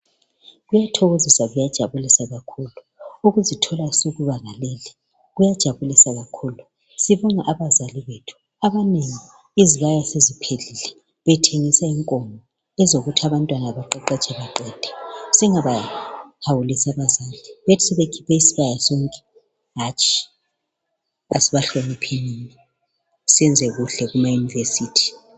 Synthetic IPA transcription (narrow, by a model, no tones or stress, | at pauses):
ɣujatʰɔɣozisaɣujad̥ʒ̥ʱaβulisaɣakʰuːlu | uɣuzitʰɔlasuɣuβaɣalɛːlɛ | ɣujad̥ʒ̥ʱaβulisaɣakʰuːlu | siβuŋaʔaβazaliβetʰu̥ | aβaneŋi | iziɣajasezipʰelilɛ | βɛtʰeŋisaiŋkʼɔmʱɔ | ɛzoɣutʰaβantʼwanaaβaǃɛǃɛt͡ʃʰʼɛβaǃɛːd̥ʱɛ̥siŋaβahawulisaβazaːliβetʰi̥sɛβekʰi̥pʰɛisiɣajasoŋkʼɛ̥ | ɦat͡ʃʼʰi̥ | asiβaɬomipʰenini | sɛnd͡zʱɛɣuɬɛɣumajunivesiːtʰi̥